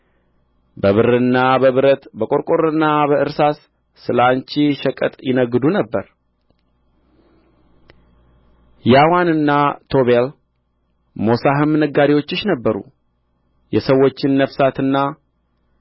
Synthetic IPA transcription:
bəβɨɾɨnːabəβɨɾət̪bəkʼo̞ɾkʼoɾɨnːabəʔɨɾsasː | ɨlant͡ʃiʃəkʼə̰t̪ʼjɪnəɡːɨd̪unəbːəɾ | jawanɨnːat̪ʰo̞βel | mo̞saɦɨmnəɡːaɾiwo̞t͡ʃːɪʃnəbːəɾṵ | jɛsəwːo̞t͡ʃːɪnːəfsat̪ɨnːa

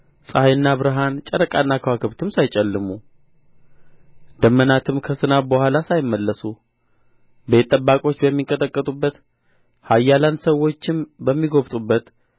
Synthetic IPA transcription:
sʼhajɨnːaβɨɾɨɦant͡ʃʼəɾəkʼanːakʰəwakʰɨβt̪ʰɨmsajt͡ʃʼɛlːɨmu | d̪əmːənat̪ʰɨmkʰəsɨnabəhʷalasajɪmːəlːəsu | bet̪ʼːəbːakʼo̞t͡ʃːbəmːiŋkʼət̪ʼəkʼːət̪ʼubːət̪ | hajːalansəwːo̞t͡ʃːɪmbəmːiɡo̞βt̪ʼubːət̪

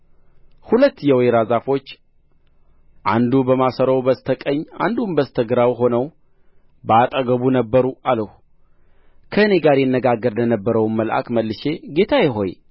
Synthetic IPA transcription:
hulət̪ːjɛwjɾazafo̞t͡ʃː | ʔa̰nd̪ubəmasəɾəwbəst̪ʰəkʼəɲːa̰nd̪unbəst̪ʰəɡɾawɦo̞nəw | bəat̪ʼəɡəβunəbːəɾualəhu | kʰəɨne̞ɡaɾjɪnːəɡaɡːəɾlənəbːəɾəwnməlʔa̰kməlːɨʃe̞ɡe̞t̪ʰajɪɦo̞j

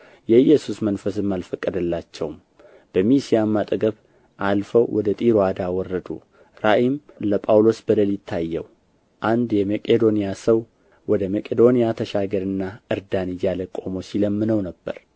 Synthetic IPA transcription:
jɛɨjːɛsusmənfəsɨmːalfəkʼːəd̪ɨlːat͡ʃːɛwm | b̥əmisijamːat̪ʼɡəβ | ʔalfəwwʔɔd̪ət̪ʼiɾoad̪awɔrːəd̪ṵ | ɾaʔimləpʼawlo̞sbəd̪əlɪt̪ʰːajːɛ̰w | ʔand̪jɛməkʼed̪o̞nijasəw | wɔd̪əməkʼed̪o̞nijat̪ʰəʃaɡəɾɨnːaɨɾd̪anijaləkʼo̞mo̞siləmːɨnəwnəbːə̰ɾ

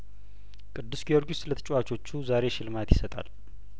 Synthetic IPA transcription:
kʼɨd̪ːɨsɡio̞ɾɡiʊst̪lət̪ʰɨt͡ʃʼuwat͡ʃʰʼo̞t͡ʃːuzaɾe̞ʃɪlɨmat̪jɪsət̪ʼa̰l

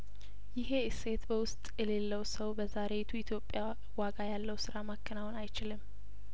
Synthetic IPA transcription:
jɪɦe̞ɨse̞t̪bəwʊst̪ʼjɛle̞lːəwsəwbəzaɾe̞t̪ʰuit̪ʰjo̞pʼːja | waɡajalːəwsɨɾamakʰːɨnawnajt͡ʃɪlɨm

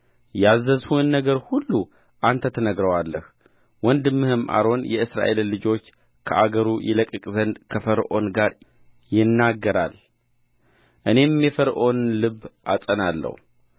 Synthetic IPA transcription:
jazːəzhuɨnːəɡəɾhulːu | ʔant̪ʰət̪ʰənəɡɾəwalːə̰h | wɔnd̪ɨmːɨhɨmʔa̰ɾo̞njɛɨsɾa̰ʔe̞lːɨd͡ʒo̞t͡ʃː | kʰəʔaɡəɾujɛ̰ləkʼɨkʼzənd̪kʰəfəɾʔo̞̰nɡaɾ | jɪnːaɡːəɾal | ʔɨne̞mjɛfəɾʔo̞nlɨβʔasʼənalːə̰hu

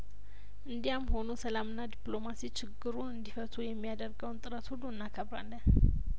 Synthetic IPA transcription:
ʔɨnd̪ijamːho̞nusəlamɨnːad̪ipʼlo̞masit͡ʃʰɪɡːɨɾuɨnd̪ifət̪ʰujɛmːijad̪əɾɡəwnt̪ʼɨɾət̪huluɨnːakʰəβɾa̰lːən

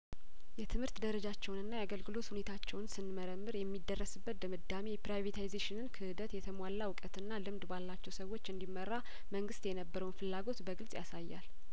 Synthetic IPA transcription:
jɛt̪ʰɨmhɨɾt̪d̪əɾəd͡ʒat͡ʃːɛwnɨnːajaɡəlɡɨlo̞t̪hune̞t̪ʰat͡ʃːɛwnsɨnməɾəmːɨɾjɛmːid̪ːərːəsɨbːət̪̚d̪əmɨd̪ːamepɾajvet̪ʰajzeʃɪnɨnkʰɨhɨd̪ət̪jɛt̪ʰəmalːawʊkʼət̪ɨnːalɨmd̪balːat͡ʃːɛwsəwːo̞t͡ʃːɨnd̪imːərːa | məŋɡɨst̪jɛnəbːəɾəwnfɨlːaɡo̞t̪bəɡɨlsʼjasajːa̰l

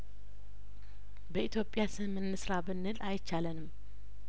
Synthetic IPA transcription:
bəit̪jo̞pʼjasɨmɨnːɨsɾabɨnːɨlʔajt͡ʃːalənɨm

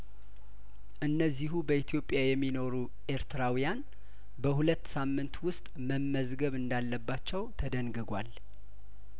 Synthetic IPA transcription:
ʔɨnːəzːiɦubəit̪ʰjo̞pʼːjajɛmːino̞ɾu | ʔe̞ɾt̪ʰɨɾawijan | bəhulət̪ːsamːɨnt̪wʊst̪ʼməmːəzɡəβɨnd̪alːəbːat͡ʃːɛwt̪ʰəd̪əŋɡɨɡʷal

